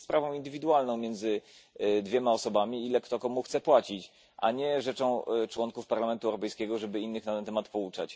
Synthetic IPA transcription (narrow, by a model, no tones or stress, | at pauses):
spɾavɔ̃w̃ind̪ɘvʲid̪uwalnɔ̃w̃mʲjɛnd̪zɘ | d̪vʲjɛmaɔsɔbamʲiilɛkt̪ɔkɔmuxt̪sɛpwat͡ɕit͡ɕ | ʔa̰ɲɛʐɛt͡ʂɔ̃w̃t͡ʂwɔŋkufpaɾlamɛnt̪uɛwɾɔpɛjskʲɛɡɔʐɛbɘinːɘxnat̪ɛnt̪ɛmat̪pɔut͡ʂa̰t͡ɕ